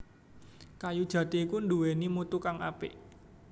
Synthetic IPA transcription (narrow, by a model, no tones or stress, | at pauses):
kajud̥ʒ̥ä̤t̪iːkund̪uwenimut̪ukaŋa̰pɪ̰ʔ